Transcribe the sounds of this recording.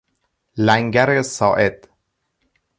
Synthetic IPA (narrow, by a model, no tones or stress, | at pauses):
læŋɡæɾesɒ̰ːʔed̪̥